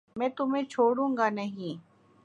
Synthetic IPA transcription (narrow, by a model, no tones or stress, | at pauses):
mɛ̃ːt̪ʊmẽt͡ʃʰoːɽũːŋɡanɐɦĩː